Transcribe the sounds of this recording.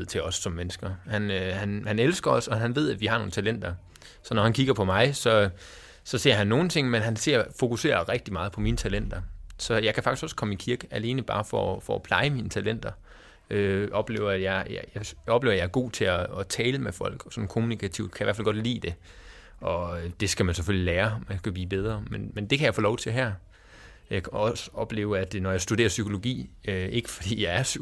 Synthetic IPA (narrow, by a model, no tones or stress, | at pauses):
ð̰ˠt͡sʰe̝ɒ̽sːɒ̽mːenəsɡ̥ɐhænøhænhænelsɡ̥ɐɒsɒ̽ɦænʋe̝ð̞̰ˠædʋihɑ̈no̝ːn̩t͡sʰælen̰d̥ɐ | sɒ̽nɒhænkʰiɡ̥ɐpʰɒ̽mɑ̈ɪsɒ̽ | sɒ̽se̝ɐ̰ɦænːo̝ːn̩t͡sʰe̝ŋ̰menɦænse̝ɐ̰fo̝kuse̝̰ːɐʁɛɡ̥̚d̥imɑ̈ːð̞̩ˠpʰɒ̽miːnət͡sʰælen̰d̥ɐsɒ̽jɑ̈ɪkʰæfɑ̈ɡ̥isɡ̥ɒ̽skʰɒ̽mikʰiɐɡ̥əʔæle̝ːnəb̥ɑ̈ːfɒfɒːpʰl̥ɑ̈ɪəmiːnət͡sʰælen̰d̥ɐ | øʔɒ̽b̥le̝̰ːʊɐæ̥jɑɪjjaɒb̥le̝ːʊɐjɑ̈ɐɡ̥o̝̰ːt͡sʰe̝æːt͡sʰɛːləmefɒ̽l̰ɡ̥sɒ̽n̩kʰo̝munikʰæt͡sʰiʊ̰d̥kʰæjiʋæ̰ɐfælɡ̥ɒ̽d̥lḭːd̥e̝ | ɒ̽d̥e̝sɡ̥æmænseføljileːɐmænsɡ̥æb̥lḭːb̥eð̞ˠʁɐmenmend̥e̝kʰæjɑɪfo̝ːlɒʊt͡sʰe̝ɦæɐ̰ | jɑ̈ɪkʰɒ̽sə̥ɒ̽b̥le̝̰ːʊæd̥nɒjɑ̈ɪsd̥ud̥e̝ːɐsykʰo̝lo̝ɡ̥ḭːøe̝ɡ̥ə̥fɒ̽d̥ḭːjɑ̈ɪæɐsy